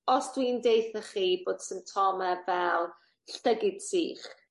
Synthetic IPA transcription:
ɔsd̥windejθəχiːboːd̥sɪntʰɔmɛvɛlˠ | ɬtəɡɪd̥sḭːχ

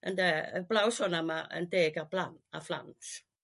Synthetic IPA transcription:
ʔəndɛblawsɔnamaə̰ndeːɡablana̰fla̰ns

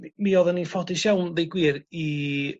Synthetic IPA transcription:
miɔðənifɔdɪʃawnðejɡwiːɾi

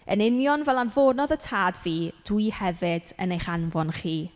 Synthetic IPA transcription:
ə̰nɪnjɔnvɛlˠanvoːnɔðətʰaːdviːd̥wɨhɛvɨd̥ə̰nejχanvɔnχiː

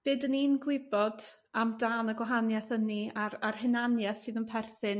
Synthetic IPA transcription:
b̥ɨːdəniːnɡwɪbɔd | amdaːnəɡwaɦanjɛθəniararhɨnanjɛθsɨːðənpʰɛrθɨn

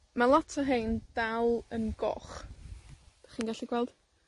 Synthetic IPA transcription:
malˠatʰaɦejnd̥alˠənɡɔ̰χ | aχiːnɡaɬiɡwɛlˠd̥

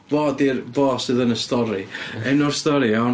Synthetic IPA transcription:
voːdirvoːsɨðənəstɔɾiɛnɔrstɔɾia

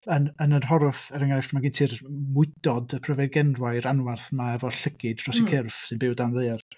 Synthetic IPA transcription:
ənənənɦɔɾʊθɛɾɛŋanɛftʰmaɡintʰiːrmʊɨdɔdəpʰrəvɛɡɛnrwajɾanwarθmaɛvɔɬəɡɨd̥rɔsikʰɪrfsɨnbɪwdanðeɨar

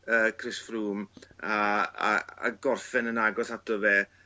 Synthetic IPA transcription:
əːkʰrɪsfruːmaa̰a̰ɡɔrfɛnənaɡɔsatɔvɛ

